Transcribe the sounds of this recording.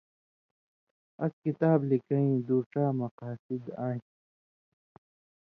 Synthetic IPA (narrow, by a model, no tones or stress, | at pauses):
ɐ̰skit̪aːblikɐĩːd̪uːʈaːmɐqaːsid̪aːĩ